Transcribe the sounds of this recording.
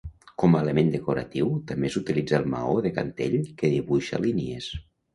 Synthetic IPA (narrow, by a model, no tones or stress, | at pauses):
kɔmaːlemend̪əkoɾat̪iwt̪ambesut̪ilid͡zalˠma̰oðeka̰nt̪eʎkeðiβuʃa̰linies